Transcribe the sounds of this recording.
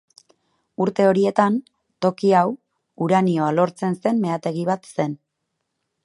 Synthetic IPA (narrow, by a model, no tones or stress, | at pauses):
uɾt̪e̞o̞ɾie̞t̪an | t̪o̞kiaw | uɾanio̞alo̞ɾt͡se̞nse̞mme̞at̪e̞ɣiβ̞at̪se̞n